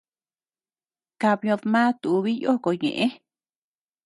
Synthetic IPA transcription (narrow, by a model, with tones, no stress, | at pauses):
ka˧βjõ˧ðmã˦t̪u˨˧βi˦jo˦ko˨ɲḛ̃˨ʔẽ˦